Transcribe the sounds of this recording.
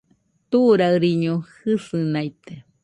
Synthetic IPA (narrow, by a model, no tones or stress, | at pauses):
t̪uɾaɨɾiɲohɨsɨnajt̪e